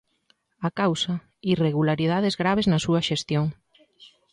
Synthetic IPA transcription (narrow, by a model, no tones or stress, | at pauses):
akawsɐ | ireɣ̞ulaɾiðaðezɣɾaβ̞eznɐsuɐʃest̪joŋ